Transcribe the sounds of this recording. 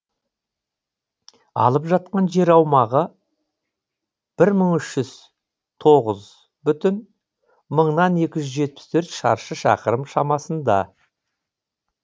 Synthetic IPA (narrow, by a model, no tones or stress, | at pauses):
ɑ̰lˠəpʒɑt̪̚qɑnʒe̞ɾɑwmɑʁə | b̥ɪɾməɴʏʃʒʏz̥ | t̪ʰo̞ʁəz | bʏt̪ɪn | məɴnɑne̞kʲɪʒʏzʒe̞t̪̚pɪ̥st̪ʰɵɾt̪ʃɑ̰ɾʃəʃɑ̰qəɾəmʃɑmɑsənd̪ɑ̰